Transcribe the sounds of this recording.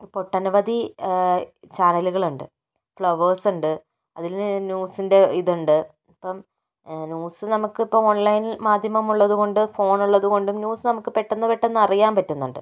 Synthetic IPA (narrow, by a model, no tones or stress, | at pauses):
po̞ʈːɐnʋɐd̪i | t͡ɕaːnɐluɣɐɭuɳɖɨ̰ | fɭɐʋɐːsuɳɖɨ | ɐ̰ðilnjuːsinde̞iðuɳɖɨ | ipːɐm | nʲjuːsɨnɐmukːɨipːɐmo̞nlɐjnimaːd̪ʱjɐmɐmuɭːɐðuɣo̞ɳɖɨfo̞ːnuɭːɐðuɣo̞ɳɖumnjuːsɨnɐmukːɨpe̞ʈːenːɨpeʈːe̞nːɐrijaːmpɐtːunːuɳɖɨ̰